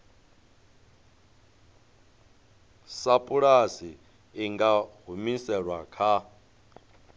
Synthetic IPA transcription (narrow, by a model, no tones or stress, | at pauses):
sapʼuɺasiː | ŋɡaɦumisɛɺwakʰa